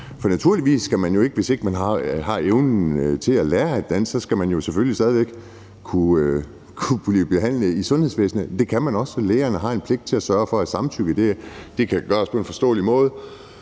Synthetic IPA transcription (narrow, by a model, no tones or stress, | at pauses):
fɒ̽næt͡sʰuɐ̰liʋḭːsːɡ̥æmænjo̝e̝ɡ̥əʋe̝se̝ɡ̥mænɦɑ̈hɑ̈eʊnn̩t͡sʰe̝lælæːɐæd̥ːæn̰ssɒ̽sɡ̥æmænjo̝seføljisd̥ɛːð̞ˠiʋeɡ̥ | kʰu | kʰub̥lib̥e̝ɦæn̰ləisɔ̽nhe̝sʋḛːsn̩əd̥e̝kʰæmænɒ̽səleːɐnəɦɑ̈e̝npʰle̝ɡ̥̚d̥t͡sʰe̝læsɶːɐfɒ̽æ̥sɑ̈mt͡sʰyɡ̥əd̥e̝d̥e̝kʰæɡ̥ɶːɐspʰɒ̽e̝nfɒ̽sd̥ɔ̰ːlimɔ̽ːð̞ˠ